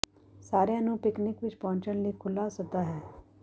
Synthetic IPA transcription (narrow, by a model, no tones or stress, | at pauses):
saːɾjãnũpɪknɪkʋɪt͡ʃpɔ̃ːɲt͡ʃənlikʰʊlːasʊd̪aɦɛː